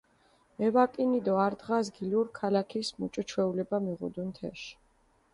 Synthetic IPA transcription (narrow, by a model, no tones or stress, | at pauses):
ɛvakʼinid̪ɔaɾd̪ʁas̬ɡiliuɾkʰalakʰismut͡ʃʼut͡ʃʰwɛulɛbamiʁṵd̪unt̪ʰɛ̰ʃ